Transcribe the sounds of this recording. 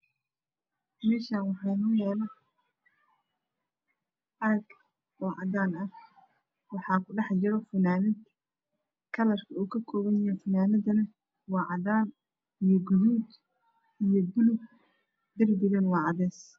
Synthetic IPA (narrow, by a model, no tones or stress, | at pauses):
mɛːʃaːnwɑħɑːnɐjɛːlɐ | ʔɐɡ | wɑːʕɑðaːnɐ | wɑħɑːkʰʊɖɑħd͡ʒɪɾɔfɐnaːnɪd̪ | kʰɐlɐrkʰɐuːkʰɐkʰɔːβɐnjɐjɛfɐnaːnɐðɐnɐ | wɑːʕɑðaːn | ijɔɡʊɾuːd̪ | ijɔbʊlʊɡ | d̪ɐrd̪ɪɣɐnwɑːʕɑðɛːs